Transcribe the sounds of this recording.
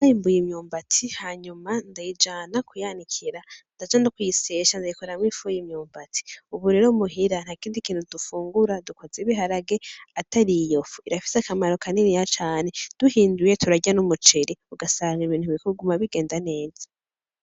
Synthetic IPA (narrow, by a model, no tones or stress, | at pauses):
ajimbujimɲuːmbatʰihaɲumandajid͡ʒaːnakʰujanikʰiɾandad͡ʒanokwujiseːʃandajikoɾamwifujimɲuːmbati̥uβuɾe̞ːɾomuɦiɾan̥hakiːndikiːn̥hudufuːŋɡuɾadukozeβiɦaɾaɡeatʰaɾijofu̥iɾafi̥sakamaɾo̞kʰaninijat͡ʃaːne̞d̥uhiːnduje̞tʰuɾaɟanumut͡ʃeɾiuɡasaŋɡiβiːn̥huβikuɡumaβiɡe̞ːndane̞ːz̥ḁ